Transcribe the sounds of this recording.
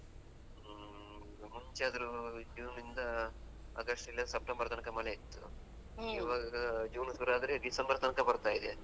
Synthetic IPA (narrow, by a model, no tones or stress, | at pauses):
muɲt͡ʃeɐd̪ɐɾud͡ʒuːnːind̪ɐ | ɐ̰ɡɐʂʈilːɐsɐp̚ʈɐmbɐɾɐt̪ɐnɐkɐmɐleit̪ːṵ | iːʋaːɡɐd͡ʒuːnɐsɡɐɾaːd̪ɐɾeɖisɐmbɐɾt̪ɐnkɐbɐɾt̪aːjid̪e